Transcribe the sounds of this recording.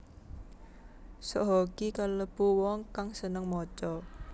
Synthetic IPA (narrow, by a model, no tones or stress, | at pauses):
sɔʔɦɔkikaləb̥uwɔŋkaŋsənəŋmɔt͡ʃɔ